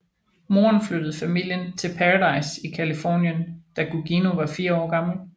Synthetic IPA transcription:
mo̝ːɐnflød̥əð̞̩ˠfæmil̰jənt͡sʰe̝lpʰæʁɑdɑ̈ɪsikʰælifɒ̰ːnjənd̥æɡ̥uɡ̥ino̝ʋɑ̈fiːɐɒ̰ːɡ̥ɑ̈ml̩

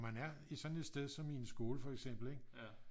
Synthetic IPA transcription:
mænæɐisɒ̽ne̝d̥sd̥eð̞ˠsɒ̽miensɡ̥o̝ːləfɒ̽eɡ̥sem̰b̥l̩eɡ̥

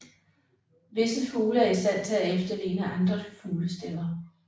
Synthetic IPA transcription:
ʋe̝səfuːləæɐisd̥æn̰t͡sʰe̝æefd̥ɐle̝ːnəɑ̈nd̥ʁɐfuːləsd̥elɐ

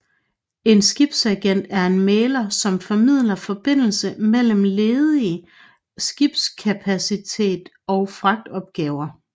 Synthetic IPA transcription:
e̝nsɡ̥ib̥sæɡ̥en̰d̥æɐe̝nmeːlɐsɒ̽mfɒ̽mið̞̰ˠlɐfɒ̽b̥e̝n̰l̩səmel̰m̩le̝ːðˠiə | sɡ̥ib̥skʰæpʰæsit͡sʰe̝̰ːd̥ | ɒ̽ʊfʁɑ̈ɡ̥̚d̥ɒ̽b̥̚ɡ̥ɛːʊɐ

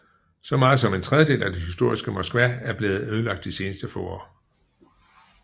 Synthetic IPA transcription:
sɒ̽mɑ̈ːð̩ˠs̬ɒ̽me̝nt͡sʰʁɛð̞ˠjəd̥e̝̰ːlʔæd̥e̝hisd̥o̝ɐ̰isɡ̥əmɒ̽sɡ̥ʋææɐb̥le̝ːð̞̩ˠøːðˠəlɑ̈ɡ̥d̥ise̝ːnəsd̥əfɔ̰ːɒ̰ː

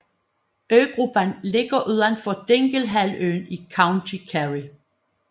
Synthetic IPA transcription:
øːɡ̥ʁub̥ænle̝ɡ̥ɐʔyðˠɐn̥fɒ̽d̥eŋɡ̥əlɦælø̰ːnikʰɑ̈ʊnt͡sʰikʰæʁi

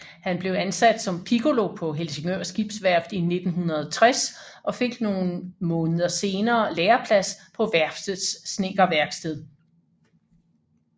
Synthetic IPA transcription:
hænb̥le̝ʊænsæd̥sɒ̽mpʰiɡo̝lo̝pʰɒ̽ɦelseŋøɐ̰sɡ̥ib̥sʋæɐb̥ðˠine̝d̥n̩ɦunɐð̩ˠɒt͡sʰʁɛs | ʔɒ̽fe̝ɡ̥no̝ːn̩mɔ̽ːnəð̩ˠɐse̝ːnɐːleːɐpʰlæspʰɒ̽ʋæɐfd̥əsːne̝ɡ̥ɐʋæɐɡ̥sd̥eð̰ˠ

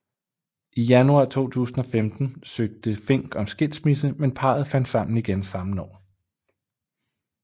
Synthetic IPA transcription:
ʔijænuɑ̰̈t͡sʰo̝̰ːt͡sʰṵːsn̩ɒ̽femd̥n̩søɡ̥̚d̥əfe̝ŋ̰ɡ̥ɒ̽msɡ̥e̝l̰̥smisəmenpʰɑ̰̈ð̞̩ˠfæn̰d̥sɑ̈m̰n̩iɡ̥ensɑ̈mn̩ɒ̰ː

